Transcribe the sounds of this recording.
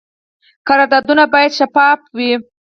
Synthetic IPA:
kaɾɑd̪ɑd̪unabɑjad̪ʃafɑfwi

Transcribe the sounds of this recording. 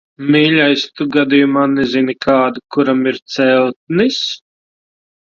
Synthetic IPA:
miːlʲajst̪uɡad̪ijumaːnɛzinikʰaːd̪ukuɾamiɾt̪sɛlˠt̪̚nis

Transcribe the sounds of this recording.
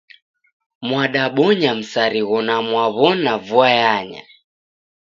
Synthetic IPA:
mwaɗaɓɔɲam̩saɾiɣɔnamwaβɔnavuajaɲa̰

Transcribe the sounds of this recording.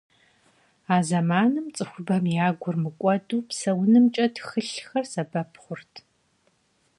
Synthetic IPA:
aːzɐmaːnɨmt͡sʼɨxʷʊbɐmjaːɡʷʊrmɨkʷʼɔduːpsɐwnɨmt͡ʃʼɐtxɨɬxɐrsɐbɐpʰχʷʊrtʰ

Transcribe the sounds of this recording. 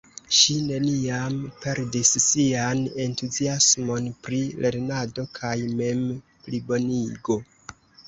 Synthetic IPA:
ʃine̞niampe̞ɾdisːiane̞ntuziasmo̞npɾilʔe̞ɾnado̞kʰajme̞m | plibo̞niɡo̞

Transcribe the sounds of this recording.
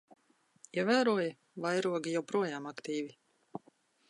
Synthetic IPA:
iɛvæːɾuɔj | vajɾuɔɡijawpɾuɔjaːmakt̪iːvi

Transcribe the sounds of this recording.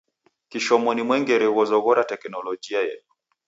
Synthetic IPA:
kiʃɔmɔnimwɛŋɡɛɾɛwɔzɔɣɔɾatɛknɔlɔd͡ʒiajɛ̰tu̥

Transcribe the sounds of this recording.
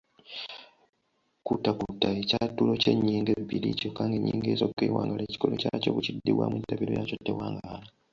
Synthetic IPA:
kutakutaecatːulo̞ceɲːiːŋɡebilicokːaŋɡeɲːiːŋɡeːzokːeːwa̰ːŋɡaleci̥kolocacoːβucidːiβwa̰mwutaβilo̰jacotːewaːŋɡala

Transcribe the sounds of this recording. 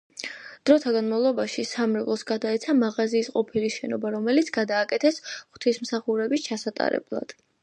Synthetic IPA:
d̪̥ɾɔt̪ʰaɡanmavlˠɔbaʃisamɾɛvlˠɔsɡad̪aɛt̪sʰamaʁaziːsqʼɔpʰiliʃɛnɔbaɾɔmɛlit̪sʰɡ̥ad̪aːkʼɛt̪ʰɛsχt̪ʰismsaχuɾɛbist͡ʃʰasat̪ʼa̰ɾɛ̰blˠa̰d̪̥

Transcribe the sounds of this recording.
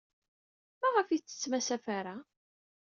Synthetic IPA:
mæʁəfit͡sːə̥t͡sːmæsæfaɾa

